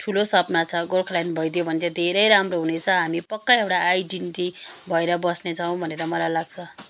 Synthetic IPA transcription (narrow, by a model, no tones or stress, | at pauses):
ʈʰulosʌpnat͡sʰʌɡolkʰlajnbʱʌjd̪jobʱʌnt͡sʰʌd̪ʱeɾʌjɾamroɦunet͡sʰʌɦamipʌkːaewʈaajɖinʈibʱʌeɾʌbʌsnet͡sʰʌw̃bʱʌneɾʌmʌlajlaɡt͡sʰʌ